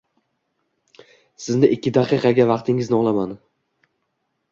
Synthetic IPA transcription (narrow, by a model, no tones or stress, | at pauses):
sɪznɪʔɪkʲʰːɪd̪aqɨqɑɡʲavɑqt̪ʰɪŋɪznɪɒlˠaman